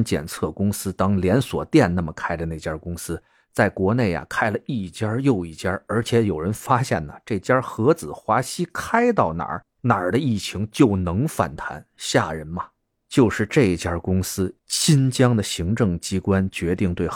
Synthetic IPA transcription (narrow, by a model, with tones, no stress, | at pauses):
nt͡ɕjɛ̰˨˩nt͡sʰɤ˥˩kʊ˥ŋsɹ̩˥t̪ɑ˥ŋljɛ˧˥nswɔ̰˨˩t̪jɛ˥˧nna˥˩mə˩kʰa˥ɪdə˨ne˥˩ɪt͡ɕja˥kʊ˥ŋsɹ̩˥ | t͡sa˥˩ɪkwɔ˧˥ne˥˩ɪja̰˨˩kʰa˥ɪlə˨i˥˩t͡ɕja˥jo˥˧ʊi˥˩t͡ɕja˥ə˞˧˥t͡ɕʰjɛ˧˥jo˨˩ʊɻə˧˥nfa˥ɕjɛ̰˥˩nnə̰˩ʈ͡ʂe˥˩t͡ɕjɐ˥xɤ˧˥t͡sɹ̩˨˩˦xwa˧˥ɕi˥kʰa˥ɪt̪̬ɑ˥˩ʊna̰˨˩˥ | na˨˩d̪ə˦i˥˩t͡ɕʰi˧˥ŋt͡ɕjo˥˩ʊnɤ˧˥ŋfa̰˨˩nt̪ʰa̰˧˥nɕja̰˥˩ɻə˧˥nmɐ˧ | t͡ɕjo˥˧ʊʂɻ̩˥˧ʈ͡ʂe˥˩ɪ˨˩t͡ɕja˥kʊ˥ŋsɹ̩˥ɕʰi˥nt͡ɕjɑ˥ŋd̪ə˨ɕi˧˥ŋʈ͡ʂɤ˥˩ŋt͡ɕi˥kwa˥nt͡ɕɥɛ˧˥t̪i˥˧ŋt̪we˥˩ɪ